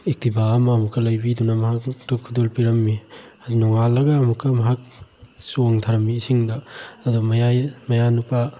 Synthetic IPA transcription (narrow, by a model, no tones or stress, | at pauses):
ik̚tibaɐmɐːmukːɐlɐjbidunɐmɐɦaktɐkʰudolpiɾɐmːiɐdnɔŋalːɐɡɐɐmukʰːɐmɐɦak̚suŋtʰaɾɐmiːsiŋdɐɐdumɐjajmɐjanupa